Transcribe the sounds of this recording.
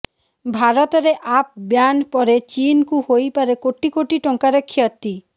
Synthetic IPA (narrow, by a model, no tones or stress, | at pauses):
bʱaɾɔt̪ɔɾeʔap̚bjanpɔɾet͡ɕinkuhojpaɾekoʈikoʈiʈɔŋkaɾekʰːiɔt̪ːi